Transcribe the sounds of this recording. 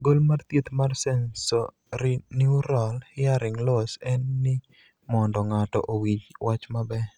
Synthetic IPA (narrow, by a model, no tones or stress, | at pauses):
ɡolmart̪jet̪marsɛnsɔ | ɾiniɾɔlhɪaɾɪŋlɔsɛnːɪ | mɔndɔŋatɔ̰ʔowit͡ʃwʔat͡ʃmabɛ